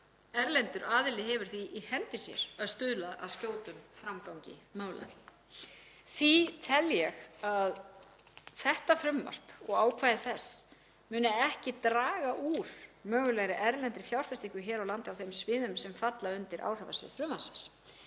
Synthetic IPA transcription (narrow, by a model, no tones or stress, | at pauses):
ɛɾlɛnt̪ʏɾaːðɪlɪɦɛvʏɾ̥θiʔihɛnt̪ɪsjɛ̰ɾ̥aðst̪ʏðlaða̰ðscoːwt̪ʏmfɾamkawɲcɪ̰maːwla̰jɾɪ | θit̪ʰɛljɛɣað | θɛht̪afɾʏmːa̰r̥pɔɣaːwkʰvaːjðɪθɛsː | mʏːnɪɛhcɪt̪ɾaːɣaʔuɾ̥mœːɣʏlajɾɪʔɛɾlɛnt̪ɾɪ̥fjawr̥fɛst̪iŋkʏçɛːɾawlant̪ɪawθejmsvɪːðʏmsɛmfat̪laʏnt̪ɪɾʔa̰wr̥ava̰svɪ̰ðfɾʏmːasɛs